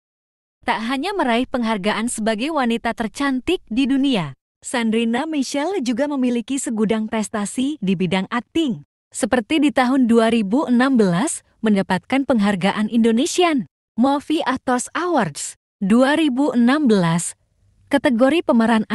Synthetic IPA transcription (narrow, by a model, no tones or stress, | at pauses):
t̪aʔɦaɲaməɾaɪhpəŋɦarɡaʔansəbaɡajwanit̪at̪ərt͡ʃant̪ɪk̚didunia | sandɾinamiʃɛld͡ʒuɡaməmilikisəɡudaŋpɾɛst̪asidibidaŋat̪ɪŋ | səpərt̪idit̪aɦʊnduaɾibuənambəlas | məndapat̪̚kanpəŋɦarɡaʔanindonesia | mɔfiʔat̪ɔsawards | duaɾibuʔənambəlas | kat̪əɡoɾipəməɾana